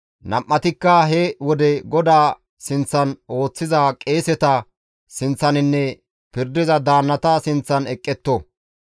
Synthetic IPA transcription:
nɐmʔːɐt̪ɪkːɐɦɛwɔd̪ɛɡɔd̪aː | sɪnt͡sːɐno̞ːt͡sːɪzakʼe̞ːsɛt̪ɐ | sɪnt͡sːɐnɪnːɛ | pɪɾd̪ɪzɐd̪aːnːɐt̪ɐsɪnt͡sːɐnɛkʼːɛt̪ːɔ

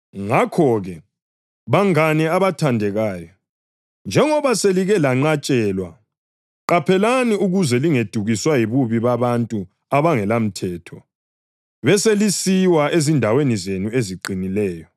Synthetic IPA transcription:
ŋakʰɔɣɛ | βaŋaniaβatʰandʱɛɣaːjɔ | nd͡ʒʱɛŋɔβaseliɣɛlaŋ͡ǀat͡ʃʼɛlwa̰ | ǃapʰɛlaniuɣuzɛliŋed̥ʱuɣiswajiβuβiβaβantʼu | aβaŋɛlam̩tʰɛːtʰɔ | βɛselisiwaezindʱawenizenueziǃinilɛːjɔ

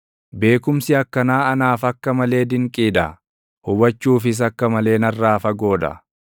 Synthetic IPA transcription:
be̞ːkʊmsɪɐkːɐnaːɐnaːfɐkːɐmɐle̞ːd̪ɪŋkʼiːd̪ɐ | hʊbɐt͡ʃːuːfɪs̬ɐkːɐmɐle̞ːnɐrːaːfɐɡo̞ːd̪ɐ̰

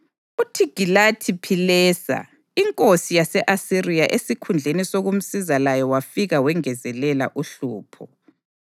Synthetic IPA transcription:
utʰiɡ̥ʱilatʰipʰilɛːsa̰ | iŋkʼosijasɛʔasirijaʔesikʰund͡ɮʱenisoɣum̩sizalajɔwafiɣawɛŋɛzɛlɛla̰ʔuɬuːpʰɔ

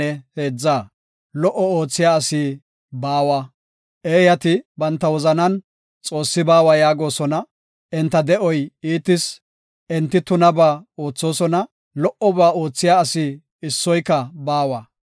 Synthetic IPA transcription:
ɛhe̞ːd͡zːaː | lɔʔɔo̞ːt͡sːɪjaːɐsiː | baːwa | ʔeːjɐt̪ɪbɐnt̪ːɐwɔzɐnɐn | t͡sʼo̞ːsːɪbaːwajaːɡo̞ːsɔnɐ | ʔɛnt̪ːɐd̪ɛʔɔjiːt̪ːɪs | ɛnt̪ːɪt̪ʊnɐbaːoːt͡sːo̞ːsɔnɐ | lɔʔɔbaːoːt͡sːɪjaːɐsiː | ɪsːɔjkːɐbaːwaː

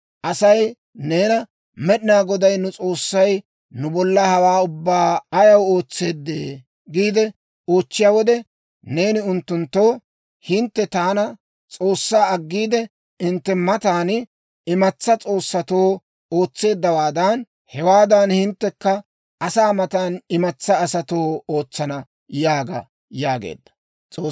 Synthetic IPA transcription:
ʔɐsɐj | ne̞ːnɐ | mɛɗɪnaːɡɔd̪ɐjnʊt͡sʼo̞ːsːɐj | nʊbɔlːɐhɐwaːʊbːaːɐjɐwo̞ːt͡sːe̞ːd̪ːeː | ɡiːd̪ɛ | o̞ːt͡ʃːɪjaːwɔd̪ɛ | ne̞ːnɪʊnt̪ːʊnt̪ːo̞ː | hɪnt̪ːɛt̪aːnɐ | t͡sʼo̞ːsːaːɐɡːiːd̪ɛ | ɪnt̪ːɛmɐt̪aːn | ɪmɐt͡sːɐt͡sʼo̞ːsːɐt̪o̞ː | o̞ːt͡sːe̞ːd̪ːɐwaːd̪ɐn | hɛwaːd̪ɐnhɪnt̪ːɛkːɐ | ʔɐsaːmɐt̪aːnɪmɐt͡sːɐːsɐt̪o̞ːoːt͡sːɐnɐ | jaːɡɐ̰ | jaːɡḛːd̪ːɐ̥ | t͡sʼoː

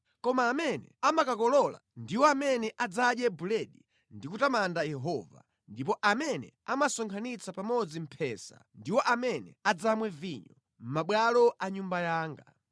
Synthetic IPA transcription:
kɔmaːmɛnɛ̰amakakɔlɔla̰ndiwɔamɛnɛʔad͡zaɗjɛbulɛɗi | ndikutamandajɛɦɔva̰ | ndip̬ɔʔamɛnɛ̰ | amasɔŋkʰanit͡sʰapamɔd͡zim̩pʰɛsa̰ndiwɔʔamɛnɛ̰ad͡zamwɛviɲɔ | m̩maɓwalɔʔaɲumbajaːŋɡa

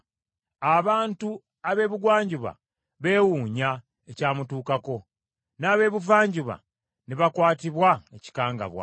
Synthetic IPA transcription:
aβaːntu | aβe̞ːβuɡwaːɲɟuβa̰ | βe̞ːwuːɲa | ecaːmutuːkako̞ | naːβe̞ːβuvaːɲɟuβa̰ | neβakwaːtiβwaeci̥kaːŋɡa̰βwa̰

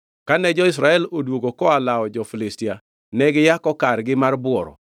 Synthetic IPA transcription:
kanɛd͡ʒɔɪs̬ɾaɛlodwoɡokɔalaɔd͡ʒɔfilɪstia | nɛɡɪjakɔkarɡɪmarbʊɔɾɔ̰

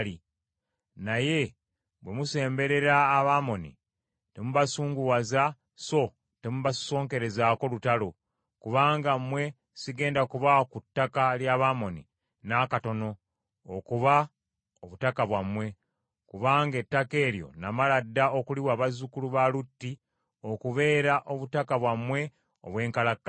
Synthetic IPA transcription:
li | naje̞ | βwe̞muse̞ːmbe̞ɾe̞ɾaːβaːmo̞nḭ | te̞muβasuːŋɡuwaza | so̞ | te̞muβasso̞ːŋke̞ɾe̞zaːko̞lutalo̞ | kuβaːŋɡamwe̞ | siɡe̞ːndakuβakutːakaljaβamo̞nḭ | nakato̞no̞ː | kuβa | oβutakaβwamwe̞ | kuβaːŋɡe̞tːake̞ːɾjo̞̰namaladːao̞kuliwaːβazukuluβalutːi | o̞kuβe̞ːɾaʔo̞βutakaβwamwe̞ | o̞̰βwe̞ːŋkalakːa

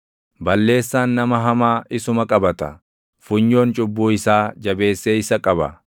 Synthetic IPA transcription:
bɐlːe̞ːsːaːnːɐmɐɦɐmaːʔɪsʊmɐkʼɐbɐt̪ɐ̰ | fʊɲːo̞ːnt͡ʃʼʊbːuːɪsaːd͡ʒɐbe̞ːsːeːɪsɐkʼɐbɐ̰

